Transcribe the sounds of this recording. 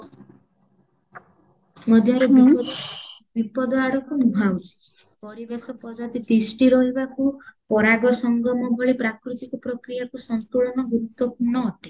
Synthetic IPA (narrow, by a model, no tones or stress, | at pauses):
mɔd̪ʱjaɾɔb | bipɔd̪ɔaɽɔkunuɦawt͡ʃʰi̥pɔɾibesɔpɔd͡ʒɔt̪it̪isʈiɾɔɦibakupɔɾaɡɔsɔŋɡɔmɔbʱɔɭipɾakɾut̪ikɔpɾɔkɾijakusɔnt̪uɭɔnɔɡuɾut̪ːwɔpuɾɳnɔːʈe